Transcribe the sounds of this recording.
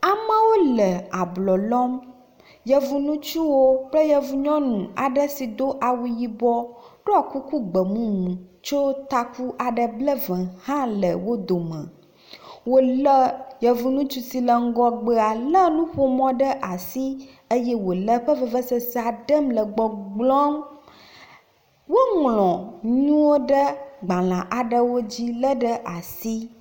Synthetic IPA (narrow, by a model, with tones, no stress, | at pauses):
a˨mə̃˦wo˦lə˨a˨blɔ˨lɔ˦m | jɛ˨vu˨nũ˦t͡ʃu˦wo˦k͡plə˦jɛ˦vu˨ɲɔ̃˦nũ˨a˨ɖə˦si˨d̪o˦ʔa˨wu˨ji˦bɔ˦ɖo˦a˨ku˦ku˦ɡ͡bə˨mũ˦mũ˨t͡ʃo˦t̪a˨ku˦ʔa˨ɖə˨blə˦vɛ̃˨hã˦lə˨wo˦d̪o˨mə̰̃˨ | wo˦lə˦jɛ˨vu˦nũ˦t͡ʃu˦si˨lə˨ŋ̩˦ɡɔ˦ɡ͡bə˦a˨lə˦nũ˦ɸo˦mɔ̃˦ɖə˦ʔa˨si˦ | ə˦jɛ˦wo˨lə˦ɸə˦və˦və˦sə˨sa˨ɖə˦mlə˨ɡ͡bɔ˨ɡ͡blɔ̃˦m | wo˦ŋlɔ̃˨ɲũ˦wo˦ɖə˦ɡ͡bã˨lã˨ʔa˨ɖə˦wo˦d͡ʑi˦lə˦ɖə˦ʔa˨si˦